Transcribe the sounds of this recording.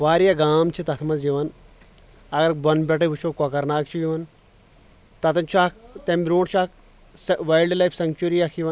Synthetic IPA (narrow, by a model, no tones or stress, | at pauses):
ʋaːɾijaɡaːmt͡ʃʰit̪ɐt̪ʰmɐzjiʋɐn | ɐɡɐɾbɐnpʲɐʈ̬ɐʋut͡ʃʰokɔkɐɾnaːkt͡ʃʰujiʋɐn | t̪ɐt̪ɐnt͡ʃʰuaːkt̪ɐmbɾoːʈt͡ʃʰaːk | sʋɐjlɖlɐjfʰsɐŋɡt͡ʃuɾijakʰiʋɐn